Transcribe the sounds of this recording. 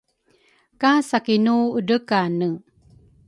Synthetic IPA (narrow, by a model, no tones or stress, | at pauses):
kasakinuəɖəkanə